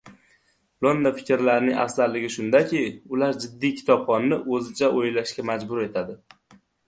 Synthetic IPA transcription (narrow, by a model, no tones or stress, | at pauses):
lˠond̪afɪ̥kʲɪɾlaɾnɪŋʔa̰fzaɾlːɪɡʲɪʃʊnd̪akʲʰiʊlaɾd͡ʒɪd̪ːijkʲʰɪ̥t̪ʰɒbχɒnːɪʔɵzɪt͡ʃʰaʔojlaʃkʲamad͡ʒbʊɾe̞t̪ʰad̪ɪ